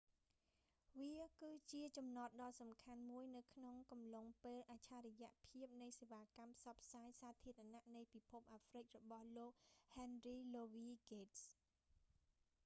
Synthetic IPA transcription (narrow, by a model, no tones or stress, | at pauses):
ʋiəkɨːt͡ɕiət͡ɕɑmnɑt̪̚ɗɑːlsɑmkʰanmuəjnɨwkʰnoŋkɑmloŋpeːlʔaːt͡ɕʰaːɾɛjɛ̆əʔpʰiəp̚nɨjseːʋaːkampʰsɑpʰsaːjsaːt̪ʰiəɾanaʔnɨjpipʰup̚ʔaːfrɨc̚rɔɓɑhloːk̚hɛnriːloːʋiːɡeːts